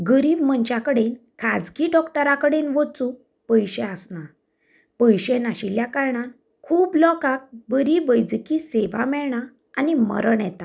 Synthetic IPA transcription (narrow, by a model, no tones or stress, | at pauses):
ɡəɾiːbmənt͡ɕjakəɽen | kʰad͡zkiɖɔkʈəɾakəɽenʋət͡sũ | pəjɕeəsna | pəjɕenaɕiljakaɾɳan | kʰuːblɔkak̚bəɾibəjd͡zkiseʋa̰mɛɭɳa | animə̰ɾəɳjɛt̪a